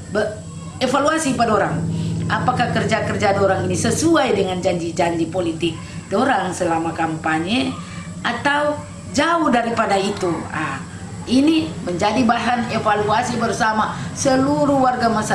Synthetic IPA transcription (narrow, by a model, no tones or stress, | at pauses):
bə | ɛfaluasipadoɾaŋapakakərd͡ʒakərd͡ʒadɔɾaŋinisəsuajdəŋand͡ʒaɲd͡ʒid͡ʒaɲd͡ʒipolit̪ɪk̚ | dɔɾaŋsəlamakampaɲɛ | at̪au | d͡ʒauhdaɾipadait̪ua | iniməɲd͡ʒadibaɦanɛfaluasibərsamasəluɾuwarɡamasa